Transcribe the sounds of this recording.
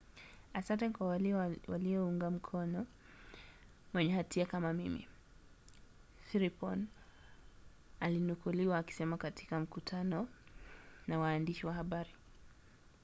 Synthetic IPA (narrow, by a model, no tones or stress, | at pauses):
asantɛkwawwa̰liɔuŋɡam̩kʰɔnɔ | mwɛɲɛhatʰiakamamḭmḭ | siɾipɔn | alinukuliwaːki̥sɛmakati̥kam̩kutʰanɔ | nawaːndiʃiwahaɓaɾi